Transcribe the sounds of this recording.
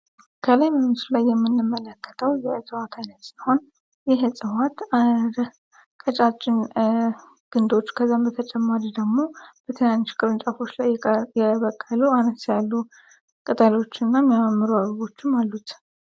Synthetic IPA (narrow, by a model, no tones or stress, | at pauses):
kʰəlajmənmslajːɛmːɨnːɨmːələkːə̥t̪ʰəwjɛsʼəwat̪ʰajnət̪səho̞n | jɛɦəsʼəwat̪a | kʼət͡ʃʼat͡ʃʼːɪn | ɡ̥ɨnd̪o̞t͡ʃːkʰəzːambət̪ʰət͡ʃʼɛmːaɾid̪əɡmo̞b̥ət̪ʰəjaɲːʃkʼɨɾɨnt͡ʃʼafo̞t͡ʃːlajːɛjɛβəkʼːəluanət̪jalːu | kʼɨt̪ʼəlo̞t͡ʃːɨnːamːjamamːɨɾuaβəβo̞t͡ʃːɪmalːut̪